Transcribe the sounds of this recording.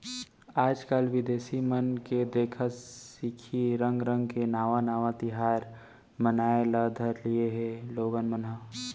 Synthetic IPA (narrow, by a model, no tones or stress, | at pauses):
aːd͡ʒkaːlʋɪd̪eːsimənked̪eːkʰəsikʰiɾə̃ŋɡɾə̃ŋɡkenaːʋãnaːʋãt̪ɪɦaːɾ | mənaːeləd̪ʱəɾlieɦeloːɡənmənɦə